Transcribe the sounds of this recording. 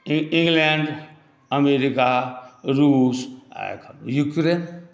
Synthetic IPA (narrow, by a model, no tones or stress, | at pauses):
ĩŋɡleɳɖ | əmeɾikaɾuːsa̰kʰjukɾen